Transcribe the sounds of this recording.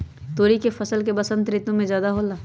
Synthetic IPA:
t̪oːɾikefɐsəlkebɐsə̃nt̪ɾɪt̪õmẽd͡ʒjaːd̪aɦoːlaː

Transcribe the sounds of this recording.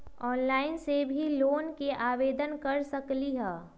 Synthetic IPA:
ɔːnlaːɪnsebʱiloːnkeʔaːʋeːd̪ənkɐɾsəkliɦɛː

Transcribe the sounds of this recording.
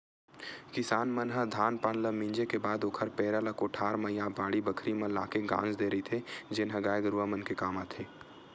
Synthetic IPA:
kɪsaːnmɐnɦəd̪ʱaːnpaːnləmɪ̃nd͡ʒekebaːd̪oːkʰəɾpɛːɾaləkoːʈʰaːɾməjabaːɽibɐkʰɾimɐla̰ːkeɡã̰ːnd͡ʒd̪eːɾɐit̪ʰed͡ʒɪnɦəɡaːjɡɾuʋamənkekaːmat̪ʰeː

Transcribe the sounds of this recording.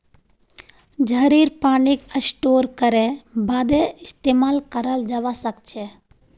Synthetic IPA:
d͡ʒəɾiːɾpaːnikəsʈoːɾkəɾebaːd̪eɪst̪eːmaːlkəɾəld͡ʒaʋasəkt͡ʃʰe

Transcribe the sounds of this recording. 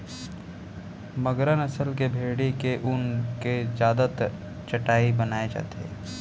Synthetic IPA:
mɐɡɾənɐsəlkebʱeːɽekeʔʊnkezjaːd̪ət̪ | t͡ʃɐʈaːibɐnaːed͡ʒa̰ːt̪eː

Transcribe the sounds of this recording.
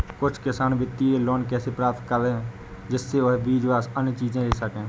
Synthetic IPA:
kʊt͡ʃʰkɪsaːnʋɪt̪ːieloːnkɛːsepɾaːp̚t̪kəlẽː | d͡ʒɪsːeɦbiːd͡ʒʋaːsənjət͡ʃiːd͡ʒẽːleːsəkẽː

